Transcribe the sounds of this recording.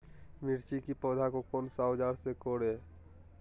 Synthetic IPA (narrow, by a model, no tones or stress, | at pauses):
miɾt͡ʃikipɔːd̪ʱakokonsɔd͡ʒaːɾsekoɽeː